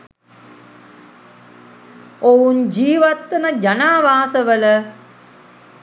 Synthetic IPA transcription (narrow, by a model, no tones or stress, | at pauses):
ound͡ʑiːʋɐt̪ːɐnɐd͡ʒanaːʋaːsəʋələ